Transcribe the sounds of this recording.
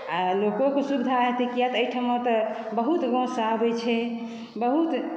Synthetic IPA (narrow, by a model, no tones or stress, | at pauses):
alokokesubid̪ʱaɦet̪ikijat̪əijʈʰamet̪ɔ | bəɦut̪ɡõsabɛt͡ʃʰɛ | bəɦut̪